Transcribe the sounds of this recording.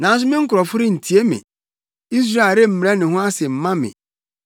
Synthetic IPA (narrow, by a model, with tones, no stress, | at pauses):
nã˨˦n˦s̬ʊ˦mɪ̃˦ŋ̩˦kʊ˨ɾɔ˨fʊ˦ɾɪ˦n̩˨tʰi˨e˦mɪ̰̃˨ | i˦s̬ɾa˦˨ɾe˦m̩˦m̃˨ɾɛ˦nɪ̃˨ɦʊ̃˦a˦sɪ˨m̩˨mã˦mɪ̰̃˨